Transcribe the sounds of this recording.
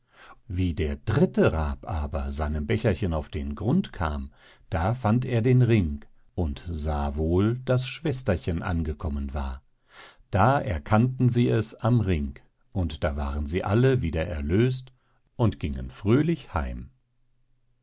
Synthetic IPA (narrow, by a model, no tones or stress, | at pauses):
viːdeːɐdʁɪtəʁaːpʔaːbɐzaɪnəmbɛçɐçənaʊfd̥ḛːnɡʁʊntkʰa̰ːm | d̥aːfanteːɐdeːnʁɪŋk | ʔʊntzaːvoːld̥asʃv̥ɛstɐçənʔa̰nɡəkʰɔmənva̰ːɐ | d̥aːʔɛɐkʰantn̩ziːɛsamʁɪŋk | ʔʊntd̥aːvaːʁənziːʔaləviːdɐʔɛ̰ɐløːst | ʔʊntɡ̥ɪŋə̰nfʁ̥øːlɪçha̰ɪm